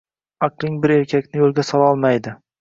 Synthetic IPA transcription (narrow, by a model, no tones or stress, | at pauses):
aqlˠɪŋbɪɾe̞ɾkʲʰakʲnɪjolˠɡʲasɒlˠɒlˠmajd̪ɪ